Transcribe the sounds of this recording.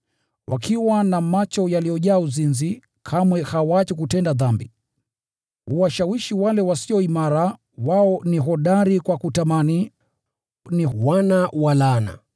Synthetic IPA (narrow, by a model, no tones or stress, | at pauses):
wʔa̰kʰiwanamat͡ʃɔjaliɔʄaːuzinzi | kʰamwɛhawat͡ʃikutɛndaðambi | huwaʃawiʃiwalɛwasiɔimaɾa | waɔniɦɔɗaɾikwakutamani | niwanawalana̰